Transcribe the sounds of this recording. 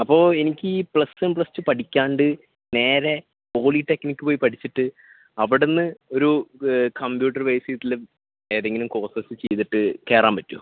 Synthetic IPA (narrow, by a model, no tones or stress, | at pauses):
ɐpːo̞ːe̞nikʲːɨiːpɭɐsɐmpɭɐsːɨpɐʈʰikʲːaːɳɖɨ | ne̞ːɾe | o̞ːliʈːekːnikʲːɨpo̞ːjipɐʈʰit͡ɕːiʈːɨ | ɐʋiɽenːɨo̞ɾukɐmpjuːʈːɐrʋejsit̪ːil | e̞ːðeŋɡɐlumko̞ːsɐsɨt͡ɕejt̪iʈːɨke̞ːɾaːmpɐtːṵ